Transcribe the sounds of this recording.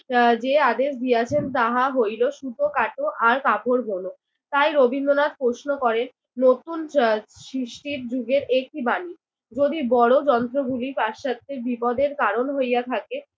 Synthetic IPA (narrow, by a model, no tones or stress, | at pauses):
d͡ʑead̪eʃd̪ijat͡ɕʰent̪aɦaɦojloʃud̪ʱokaʈoʔaɾkapoɾbʱono | t̪ajɾobʱinːonat̪̚pɾoʃnokɔɾenː | ot̪unʃɾiʃʈiɾd͡ʑuɡeɾek̚ʈibani | d͡ʑod̪ibɔɽod͡ʑɔnt̪ɾoɡulipaʃat̪ːeɾbipɔd̪eɾkaɾonɦojjat̪ʰake